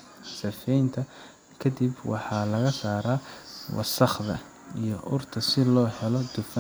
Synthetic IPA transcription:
sɐfɛjnt̪ʰɐ | kʰɐd̪ibwɑ̰ħɑːlɐɣɐsaːɾaːwɑ̰sɐχðɐ̰ | ijɞʔʊrt̪ʰɐsɪlɔːhɛlɔd̪ʊfɐ

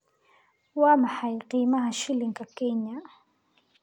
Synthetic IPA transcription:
wamaħajqimahaʃɪlɪŋkakeɲa

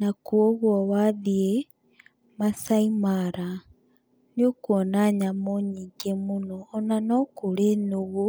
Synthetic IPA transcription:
nakwoɣwoβaðie | masaimaɾa | nokwonaɲamoɲiːɡemunoːnanokulenoɣo

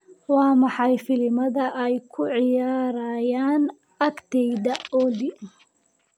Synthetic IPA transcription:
wɑːmɑħɑjfɪlɪmɐðɐʔɛjkʰʊʕɪjaːɾɐːjaːn | ɐkt̪ʰɛjðɐɔli

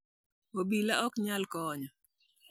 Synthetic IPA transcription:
obilaɔkɲalkɔɲɔ

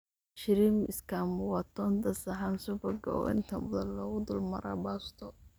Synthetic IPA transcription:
ʃɪɾimɪskʰamʊwat̪ʰɔnd̪ɐsɐħansʊbɐɡɐɔ̰ʔɪ̰nt̪ʰɐmʊðɐnlɔːɣʊd̪ʊlmɐ̰ɾa̰bast̪ʰɔ

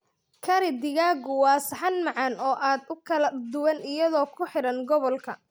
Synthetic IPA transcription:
kʰɐɾɪd̪ɪɣaːɡʊwɑːsħɐnmɑʕɑnɔːʔaːd̪ʊkʰɐlɐd̪ʊwɐnɪjɐðɔːkʰʊħɪɾɐnɡɔβɔlkʰɐ

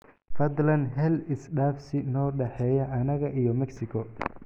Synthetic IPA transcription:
fɐd̪lɐnɦɛlɪsɖaːfsɪnɔːɖɛħɛːjɐʔɐnɐɣɐʔijɔmɛksɪkʰɔ

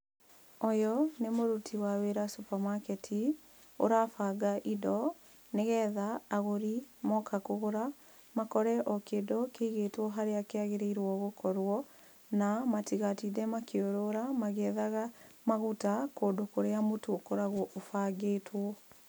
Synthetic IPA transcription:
ɔjɔnemoɾutʰiwaweɾasupamakɛtʰi | o̰ɾafaːɡaʔidɔ | neɣɛːðaːɣoɾimɔkʰakoɣoɾa | makɔɾɛʔɔkeːdɔkeiɣeːtwɔɦaɾeakeaɣeɾeiɾwɔɣokʰɔɾwɔ | namatiɣatidɛmakeoɾoɾamaɣɛðaɣamaɣutakoːdokoɾeamotokoɾaɣwɔʔofaɡeːtʰwɔ

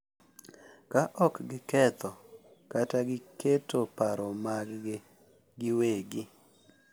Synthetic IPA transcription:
kaʔɔkɡɪkɛt̪ɔ | kataɡɪketopaɾɔmaɡɡɪ | ɡɪweɡɪ

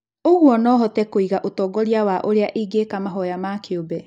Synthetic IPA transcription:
oɣwɔnɔːɦɔtɛkoiɣaʔotɔːɡɔɾiawaʔoɾeaʔiːɡekamaɦɔjamakeobɛ

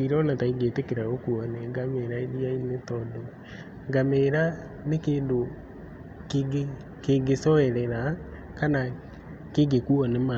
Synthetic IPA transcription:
iɾɔnataiɡeːtekeɾaɣokuɔnɛɡameɾaeɾiainetɔdɔ | ŋɡameɾa | nekeːndo | keɡe | keɡesɔɛɾɛɾa | kana | keɡekuɔnɛma

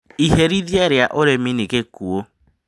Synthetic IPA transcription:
iɦeɾidjeɾjaʔoɾeminikekuo

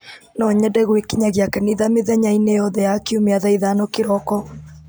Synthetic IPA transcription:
nɔɲɛdɛɣwekiɲaɣjakɛniðameðɛɲainɛjɔðɛjakiumeaðaiðanɔkeɾɔkɔ

